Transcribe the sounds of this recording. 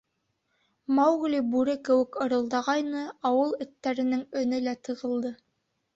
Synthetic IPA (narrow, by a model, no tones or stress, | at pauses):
mɑwɣlʲibʉɾɘkɘ̆wɘ̆kɤ̆ɾɤ̆lˠd̪ɑʁɑjnɤɑwɤlˠɵ̆t̪ːæɾɘ̆nɘŋɵ̆nɘlæt̪ɤ̆ʁɤ̆lˠd̪ɤ